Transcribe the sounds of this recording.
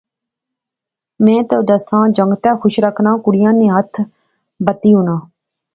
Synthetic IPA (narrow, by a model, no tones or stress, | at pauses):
mɛ̃ːt̪oːd̪əsãːd͡ʒəŋɡt̪ãːxʰʊʃɾəkʰnãːkʊɽɪjãːnẽːɦət̪ʰ | bət̪iːɦʊnãː